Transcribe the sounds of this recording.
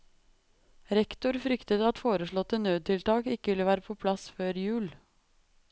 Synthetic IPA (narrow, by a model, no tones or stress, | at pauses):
ɾɛkt̪ʊɾfɾʏkt̪ət̪əɑt̪foːɾəʂɭɔt̪ːənøːd̪̚t̪ʰɪlt̪ʰɑːkɪkːəʋɪlːəʋæːɾəpʰoːpʰlɑsføːɾjʉːl